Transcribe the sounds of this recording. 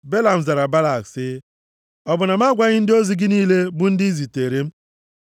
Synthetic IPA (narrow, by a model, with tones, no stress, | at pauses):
be˦la˨m̩˨za˨ɾa˨ba˦la˨ksɪ˦ | ɔ˨bʊ˨na˨m˦a˦ɡʷa˦ɲɪ˦n̩˦dɪ˦o˦zi˦ɡɪ˦niː˦le˦bʊ˦n̩˦di˦zi˨te˨ɾe˦m̩˦